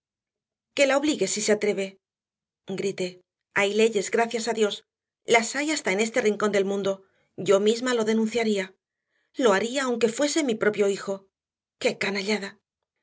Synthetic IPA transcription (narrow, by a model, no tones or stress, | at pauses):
ke̞lao̞βliɣe̞sise̞at̪ɾe̞βe̞ | ɡɾit̪e̞ | ajle̞ʝe̞zɣɾaθjasaðjo̞s | lasajast̪ae̞ne̞st̪e̞riŋko̞nd̪e̞lmũnd̪o̞ | ɟ͡ʝo̞mizmalo̞ðe̞nũnθjaɾia | lo̞aɾiaːwŋke̞fwe̞se̞mipɾo̞pjo̞ixo̞ | ke̞kanaʎaða